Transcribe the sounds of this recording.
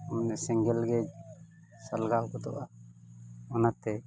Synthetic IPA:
ɔmɛnɛsɛŋɡɛlɡɛd͡ʒ | salɡawkɔd̪ɔ̰ʔa | ɔnat̪ɛ

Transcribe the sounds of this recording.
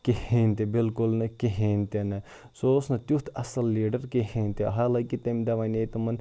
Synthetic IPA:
keheːnʲt̪ebɪlkʊlnɐkiɦeːnʲt̪enɐ | sosnɐt̪jut̪ʰɐsɐlːiːɖɐɾkeɦeːnʲt̪eɦaːlɐkit̪ɐmd̪ɐʋanet̪ɐmɐn

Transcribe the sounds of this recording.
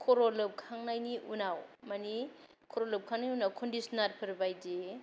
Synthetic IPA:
kʰɔɾolɯp̚kʰaŋnajniʔunawmani | kʰɔɾolɯp̚kʰaŋnijunawkʰɔndisnatpʰɐɾbajde

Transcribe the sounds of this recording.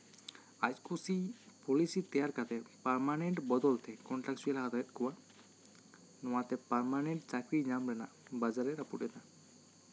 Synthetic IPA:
ad͡ʑkusipɔlisit̪ɛjaɾkat̪ʰɛpaɾmaneɳʈbɔd̪ɔlt̪ɛkɔnʈaksuɛlaɦad̪ajet̪kɔan | ɔwat̪ɛpaɾmaneɳʈt͡ʃakɾiɲamɾɛnabad͡ʑaɾeɾapuʈɛna

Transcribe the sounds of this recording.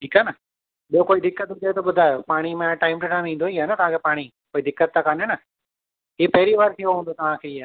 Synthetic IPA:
ʈʰiːkaːnə | ɓijokoːiːd̪ɪkːət̪d͡ʒeet̪oɓʊd̪ʱaːjoːpaːɽ̃imẽʈaːɪmʈoʈaːmĩnd̪oiːaːnat̪ɐʋãkʰeːpaːɽ̃i | koːiːd̪ɪkːət̪̚ːãkaːnenə | iːpɛɦɾiʋaːɾt̪ʰioɦõːnd̪oːt̪ɐʋ̤ãːkʰeːɪːaː

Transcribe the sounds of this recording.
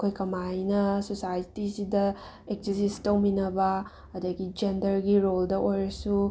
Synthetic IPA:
kʰojkɐmajnɐsosajitisidɐ | ek̚sisistɐwminɐbɐ | ɐdɐɡid͡ʒendɐɾɡiɾoldɐʔojɾɐsu

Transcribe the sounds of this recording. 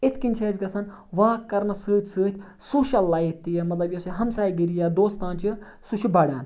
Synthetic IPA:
ɪt̪ʰkinʲt͡ʃʰeːt͡ʃɡɐsɐn | ʋaːkːɐɾnɐsɨːt̪ʰʲsɨːt̪ʰʲ | soːʃɐlːaːip̚ʰt̪ijamɐt̪lɐbjɐsiɦɐmsaːjɡiɾijaːd̪oːst̪aːnt͡ʃi | suʃʰibɐːɽʲaːn

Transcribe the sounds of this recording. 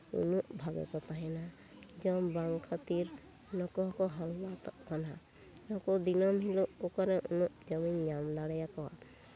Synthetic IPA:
ṵnuʔbʱaɡɛ̰kɔt̪aɦɛna | d͡ʒɔmbaŋkʰat̪iɾ | nɔkɔɦɔkɔɦɔlːat̪ɔʔkana | nɔkɔd̪inɔmɦilɔʔokɔɾɛʔunuʔd͡ʒɔmiɲɲamd̪aɽɛjakɔwa̰

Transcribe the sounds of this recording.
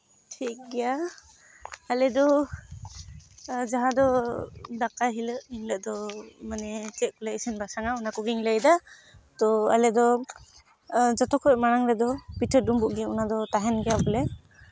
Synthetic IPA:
tʰik̚ɡɛja | alɛd̪ɔ | d͡ʒaɦãd̪ɔd̪akaɦiləʔiŋləʔd̪ɔmanɛt͡ʃɛʔ̚kɔlɛisinbasaŋaunakɔɡiŋləjd̪a | t̪ɔa̰lɛd̪ɔ | d͡ʒɔt̪ɔkʰɔmaɽaŋɾɛd̪ɔpitʰət̚dumbuʔɡɛunad̪ɔt̪aɦɛnɡɛjabɔlɛ

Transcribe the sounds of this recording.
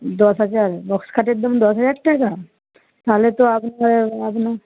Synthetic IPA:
d̪ɔsɦad͡ʒaɾbɔkskʰaʈek̚d̪əmd̪ɔsɦəd͡ʒaɾʈaka | t̪aːlet̪oapnaapna

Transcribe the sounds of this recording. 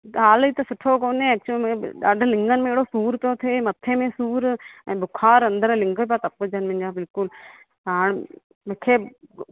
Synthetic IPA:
aːliːt̪ɐsʊʈʰokoːnẽɛːk̚t͡ʃlmẽɗa̰ːɖʱlɪ̃ŋɡənmẽeːɽosuːɾt̪ot̪ʰeːmɐt̪ʰːemẽsuːɾbʊkʰaːɾɐ̃nd̪əɾlɪ̃ŋɡəp̬at̪ɐpːəd͡ʒɐnmɪ̃ɲd͡ʒaːbɪlkʊl | aːɳ̃ | mekʰeː

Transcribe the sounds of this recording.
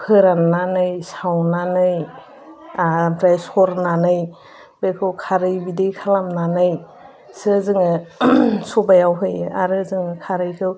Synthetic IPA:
kʰɯɾanːanɯjsawnanɯj | pɾajsɔɾnanɯj | b̥ekʰɯwkʰaɾɯjbidejkʰalamnanɯj | sɯzɯŋɯ | sɔbajawɦɯja̰ɾɯzɯŋɯkʰaɾɯjkʰɯw

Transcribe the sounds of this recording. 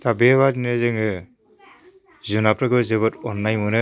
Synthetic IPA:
tʰabeβadinɯzɯŋɯ | zunapɾɯɡɯzɯbɯtɔnːajmɯnɯ

